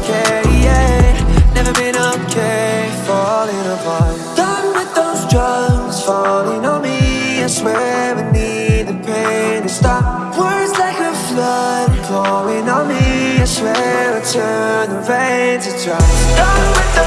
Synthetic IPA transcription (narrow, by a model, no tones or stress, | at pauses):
fɛie | nɛvə˞bɪ̃noʊkʰe | fɔlˠɪ̃ŋəva | d̥ʌ̃nwɨðoʊzdɹʌŋz̥fɔlˠɪ̃ŋə̃nmiɨswɛwɨni | d̪̚ðɨpʰẽɪ̃nɨstɑp̚ | wɜ˞zlaɪkəflʌd̚kʰɔlˠɪ̃ŋənmiɨswɛwɨtʰɜ̃˞nðəvænzɨtad̥ʌ̃nwɪð